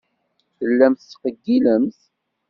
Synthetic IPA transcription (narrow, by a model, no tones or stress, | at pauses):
θəlːæmθt͡sːqəɡːiləmθ